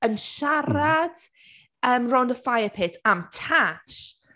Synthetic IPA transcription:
ənʃarɾad̥ | əːmrɔwndəfajəpʰɪtʰamtʰaʃ

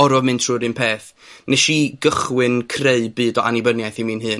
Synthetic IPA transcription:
ɔɾɔvmɨntʰr̥ʊːɾɨnpʰeːθ | nɛʃiɡəχwɨnkʰreɨbɨːdɔʔanibənjajθimiːnɦɨːn

